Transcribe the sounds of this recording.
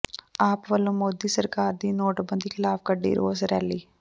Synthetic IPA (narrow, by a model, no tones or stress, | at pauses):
aːpʋɐlõmoːd̪isɐɾkaːɾd̪inoːʈbə̃nd̪ʱixɪlaːfɡɐɖːḭɾʔo̰ːsɾɛ̰ɦliː